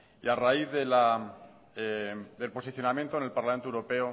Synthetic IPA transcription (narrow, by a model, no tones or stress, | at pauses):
ḭaraiððela | d̪e̞lpo̞siθjo̞namjent̪one̞lpaɾlament̪owɾo̞pe̞o